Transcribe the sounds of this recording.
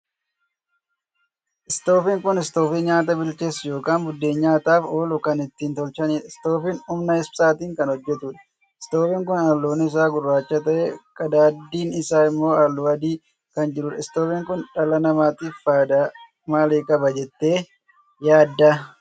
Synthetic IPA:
ʔɪst̪o̞ːfiːŋkʊnɪst̪oːfiːɲaːt̪ɐbɪlt͡ʃeːsjo̞ːkaːnbʊd̪ːe̞ːɲːaːt̪aːfoːlʊkɐnɪt̪ːiːnt̪ɔlt͡ʃɐniːɪst̪o̞ːfiːnʊmnɐɛspsaːt̪iːŋkɐnhɔd͡ʒːɛt̪uːᶑɐ̥ | ɪ̥st̪oːfiːŋkʊnalːoːnːɪɪs̬aːɡʊrːaːt͡ʃːɐt̪ɐʔḛːkʼɐd̪aːd̪ːiːnɪsaːɪmːo̞ːalːʊɐd̪iː | kɐnd͡ʒɪɾʊᶑɪst̪oːfiːŋkʊnᶑɐlɐnɐmaːt̪iːfaːd̪a | maːleːkʼɐbɐd͡ʒɛt̪ːe̞ː | jaːd̪ːa

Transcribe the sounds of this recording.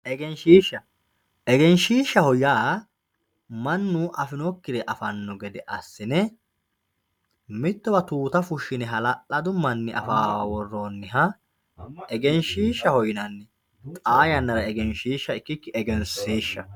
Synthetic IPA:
ʔɛɡɛnʃiːʃːɐ | ʔɛɡɛnʃiːʃːɐhɔjaː | mɐnːuʔɐfɪnɔkːɪɾɛʔɐfɐnːɔɡɛd̪ɛʔɐsːɪnɛ | mɪt̪ːɔbɐt̪uːt̪ɐfʊʃːɪnɛɦɐlɐʔɐd̪ʊmːɐnːɛʔɐ̰faːwɔrːoːnːɪɦɐ | ɛɡɛnʃiːʃːɐhɔjɪnɐnːɛ | t̪ʼaːjɐnːɐɾɐɛɡɛnʃiːʃːɐɪkːɪkːɪɛɡɛnsiːʃːɐ

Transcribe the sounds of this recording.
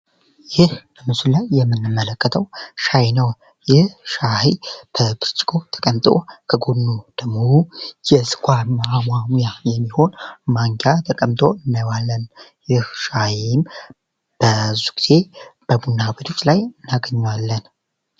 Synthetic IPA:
jɪhbəmɨsulajːɛmːɨnːɨmːələkːət̪ʰəwʃajinəw | jɪhʃahib̥əbʰɨɾt͡ʃʼɪ̥kʰo̞t̪ʰə̥kʼəmt̪ʼokʰəɡod̪nːud̪̥əmːohujɛsɨ̥kʰʷʼaɾnaːmamjajɛmːiho̞nmaŋɡjat̪ʰəkʼəmt̪ʰʼo̞ɨnːajwalːənjɪhʃahm | b̥əzːu̥ɡiz̥e̞b̥əbunːawet̪ʰo̞t͡ʃʼːlajɨnaɡəɲːwalːən

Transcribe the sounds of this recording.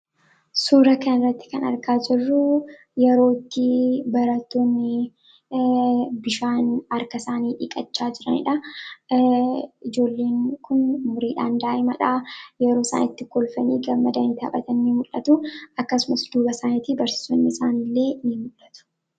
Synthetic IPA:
suːɾɐkɐnɪrːɐt̪ːɪ̥kɐnɐ̰ɾkaːd͡ʒɪrːʊ | jɛɾo̞ːt̪ːɪbɐɾɐt̪ːoːnːɪ | bɪʃaːnɐɾkɐsaːniːᶑɪːkʼɐt͡ʃːaːd͡ʒɪɾɐnɪ̰ᶑɐ | ɪd͡ʒo̞ːlːe̞ːŋkʰʊnmʊɾiːᶑaːnd̪aːʔɛmɐᶑaːjɛɾoːsa̰ːnɪt̪ːɪkɔlfɐnḭːɡɐmːɐd̪ɐnt̪ɪɐ̰ɓɐt̪ɐnːimʊᶑɐt̪ʊɐkːɐsʊmɐsd̪uːbɐsaːnɪt̪ɪbɐɾsɪ̥sonːɪɪsaːnɪlːe̞ːnɪmʊᶑːɐ̥t̪ʊ̥

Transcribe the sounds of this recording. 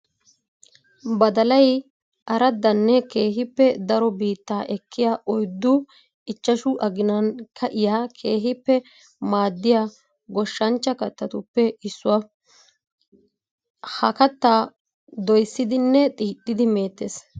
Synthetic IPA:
bɐd̪ɐlɐj | ʔɐɾɐd̪ːɐnːɛke̞ːɦɪpːɛd̪ɐɾɔbiːt̪ːaːʔɛkʰːɪjaːʔɔjd̪ːʊ | ɪt͡ʃːɐʃʊʔɐɡɪnɐnkɐʔɪjaːkʰe̞ːɦɪpːɛ | maːd̪ːɪjaː | ɡɔʃːɐnt͡ʃːɐkɐt̪ːɐt̪ʊpːɛɪsːʊwɐ | hɐkɐt̪ːaː | d̪ɔjsːɪd̪ɪnːɛt̪ʼiːt̪ʼːɪd̪ɪme̞ːt̪ːes

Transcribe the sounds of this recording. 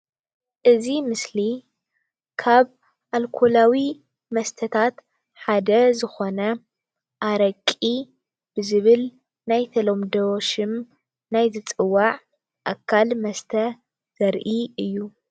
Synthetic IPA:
ʔɨzimɨsli | kʰaβ | ʔalkʰolawi | mɐst̪ʰɐt̪ʰat̪ | ħad̪ɐzɨxo̞nɐ | ʔaɾɐkʼi | b̥ɨzɨβɨl | najt̪ʰɐlo̞md̪ɐʃɨm | najzɨt͡sʼɨwaʕ | ʔakʰːalmɐst̪ʰɐ | z̥ɐɾʔiɨjːu

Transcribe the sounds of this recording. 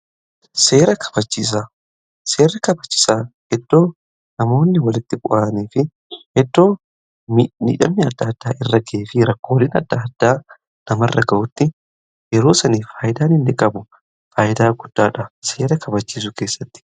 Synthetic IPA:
seːɾɐkʰɐ̥bɐt͡ʃːiːs̬a | se̞ːrːɪkɐbɐt͡ʃːɪ̥saːhɛd̪ːo̞ː | nɐmo̞ːnːɪwɐlɪt̪ːɪbʊʔaːniːfɪ | hɛd̪ːo̞ː | mimḭːᶑɐ̰mnɪɐd̪ːɐd̪̥ːaːʔɪrːɐɡeːfɪɾɐkːowliːnɐ̰d̪ːaːd̪̥ːaː | nɐmɐrːɐɡɐʔʊt̪ːɪ | jɛɾo̞ːsɐniːfaːjɪd̪aːnɪnːɪkʼɐbʊ | faːjɪd̪aːɡʊd̪̥ːaːᶑɐse̞ːɾɐkʰɐbɐt͡ʃːiːs̬ʊke̞ːsːɐt̪ːɪ̥

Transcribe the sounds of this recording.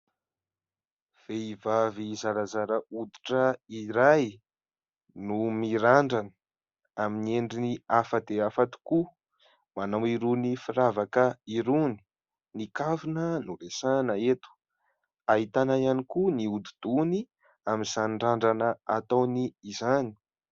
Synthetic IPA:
v̥eivavizaɾazaɾəud̪iʈ͡ʂəiɾaj | numiɾaɳɖ͡ʐanə̥ | aminieɳɖ͡ʐiniafəd̪eafat̪u̥ku | manawiɾunifiɾavakəiɾuni̥ | nikavunənuɾesanəet̪u̥ | aɦit̪anaianikuniud̪id̪̥uni | aminzanɳɖ͡ʐaɳɖ͡ʐanəat̪awniːzani̥

